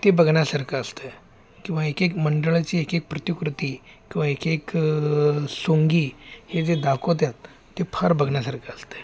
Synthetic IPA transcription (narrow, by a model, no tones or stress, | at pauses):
t̪ebəɡʱɳjasaɾkʰəəst̪e | kĩw̃ʋaekekməɳɖəɭt͡ɕiːekek̚pɾət̪ikɾut̪iːkĩw̃ʋaekek | soŋɡiːhed͡zed̪akʰot̪̬jat̪ː | epʰəɾbəɡʱɳjasaɾkʰəəst̪e̥